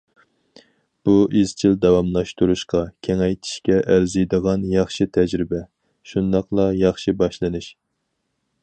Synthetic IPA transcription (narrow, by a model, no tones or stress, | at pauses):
b̥uʔiz̥t͡ʃʰild̪ɑwɑmlˠɑʃt̪uɾuʃqɑkʲʰeŋɛjt̪ʰi̥ʃkʲɛʔæɾzɨjd̪əʁɑnjɑχʃit̪ʰɛd͡ʒɾɪbɛ | ʃund̪ɑqlˠɑjɑχʃibɑʃlˠɨnɨʃ